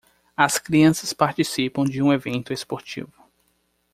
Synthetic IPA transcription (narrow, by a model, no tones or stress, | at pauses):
ɐskɾiɐ̃sɐspaɾt͡ʃisipɐ̃w̃d͡ʒɪũevẽnt̪ʊespoɾt͡ʃḭvʊ